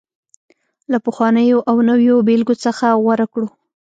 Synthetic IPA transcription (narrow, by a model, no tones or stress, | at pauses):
lapəxwɑnəjoʔawnəwjobelɡot͡səxawaɾakɽu